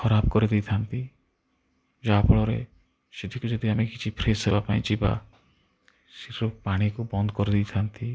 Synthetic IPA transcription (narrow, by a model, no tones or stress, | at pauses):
xɔɾab̚kɔɾid̪ijt̪ʰant̪i | d͡ʒapʰɔɭɔɾḛ | sed̪ʱikud͡ʒɔd̪iamekit͡ʃʰipʰɾesɦebapaĩt͡ʃiba̰ | siɾɾopaɽ̃ikubɔnd̪ɔkɔɾid̪ijt̪ʰant̪ʰi